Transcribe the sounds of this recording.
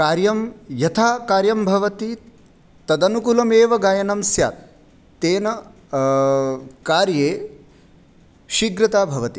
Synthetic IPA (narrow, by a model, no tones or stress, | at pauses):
kaːɾjɐmjɐt̪ʰaːkaːɾjɐmbʱɐʋɐt̪i | t̪ɐd̪ɐnukulɐmeːʋɐɡaːjɐnɐmsja̰ːt̪̚ | t̪eːnɐ | kaːɾjeː | ʃiɡɾɐt̪aːbʱɐʋɐt̪i